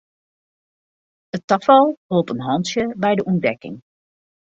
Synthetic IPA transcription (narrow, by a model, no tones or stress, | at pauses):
ətɑfəlˠɦolˠpənɦɑntjəbɛjdəʔɔndɛkɪ̰ŋ